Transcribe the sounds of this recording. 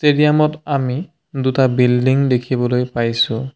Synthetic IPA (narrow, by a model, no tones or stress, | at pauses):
seɾijamɔtami | dutabildiŋdekʰibɔlojpajsʊ̃